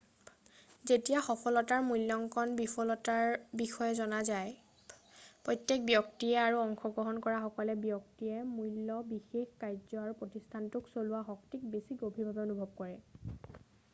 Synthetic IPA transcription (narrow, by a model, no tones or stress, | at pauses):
zetijaxɔpʰɔlɔtaɹmujlːɔŋkɔnbipʰɔlɔtaɹbixɔjɛzɔnazaj | pɹɔjtːek̚bjɔktiɛaɹuɔŋxɔɡɹɔɦɔnkɔɹaxɔkɔlɛbjɔktijɛmujlːɔbixexkajzɔaɹupɹotistʰantuksolʊwaɦɔktik̚besiɡobʱiɹbʱabɛonubʱɔb̚kɔɹɛ